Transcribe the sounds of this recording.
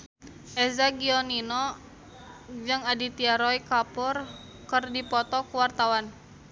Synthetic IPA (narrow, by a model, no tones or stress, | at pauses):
ʔɛzaɡiɔninɔ | d͡ʒɨŋadit̪iaɾɔjkapɔr | kərdipɔt̪ɔkuwart̪awan